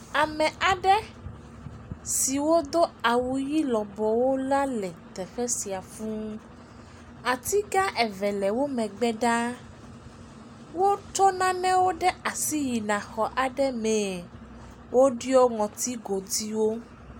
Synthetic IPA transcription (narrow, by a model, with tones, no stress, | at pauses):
a˨mɛ̃˨ʔa˨ɖɛ˦ | si˨wo˦d̪o˦a˨wu˨ji˦lɔ˨bɔ˨wo˦la˦lɛ˨t̪ɛ˨xɛ˦si˨a˨fũ˦ | a˨t̪i˦ɡa˦ʔɛ˨vɛ˨lɛ˨wo˦mɛ̃˨ɡ͡bɛ˦ɖa˦ | wo˦t͡ʃɔ˦nã˦nɛ̃˦wo˦ɖɛ˦a˨si˦ji˨nã˨xɔ˨ʔa˨ɖɛ˦mɛ̃˨ | wo˦ɖi˦ɔ˦ŋɔ̃˨t̪i˦ɡo˨d̪i˦wo˦